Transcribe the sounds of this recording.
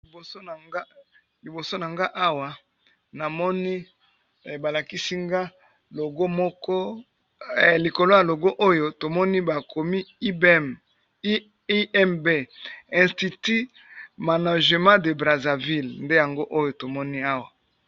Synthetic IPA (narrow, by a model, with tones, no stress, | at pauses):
li˨bo˨o˦n˨ŋa˦ | li˨bo˨so˦na˨ŋɡa˦ʔa˦wa˨ | na˨mɔ˦ni˦˨ | ba˨la˨ki˦si˦ŋɡa˦ | lo˨ɡo˦mɔ˦kɔ˦˨ | li˨ko˨lo˦ja˨lo˨ɡo˦ʔo˦jo˨to˨mɔ˦ni˦ba˨kʰo˨mi˦i˦bɛ˦˨m˦ | i˦ɛ˦mbe˦˨ɛ̃˨sti˨ti˦ | ma˨na˨ʒe˨mã˦de˨bʁa˨za˨vi˦lnde˦ja˨ŋɡo˦ʔo˦jo˨to˨mɔ˦ni˦a˦wa˨